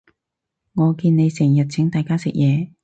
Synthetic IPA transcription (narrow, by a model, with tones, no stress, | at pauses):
ŋɔː˨˧kiː˧nne˨˧jsɪ˨˩ŋjɐ˨t̚t͡sʰɪ˨˥ŋt̪aː˨jkaː˥sɪ˨k̚jɛː˨˧